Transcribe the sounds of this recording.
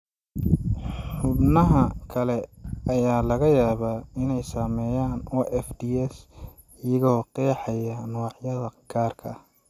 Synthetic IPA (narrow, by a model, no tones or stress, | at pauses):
ħʊbnɐɦɐkʰɐlɛɐjaːlɐɣɐjaːβaːɪnɛjsaːmɛːjaːnɔʔɛfd̪iɛs | ɪjɐɣɔːqɛːħɑjɐnʊʕjɐðɐɡ̥ʰaːrkʰɐ